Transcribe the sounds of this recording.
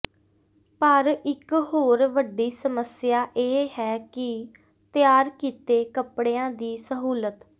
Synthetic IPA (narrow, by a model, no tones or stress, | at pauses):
pəɾɪkɦoːɾʋəɖiːsəməsɪjaːʔeːɦɛːkɪ | t̪ɪjaːɾkiːt̪eːkəpɽeːãːd̪iːsəɦuːlət̪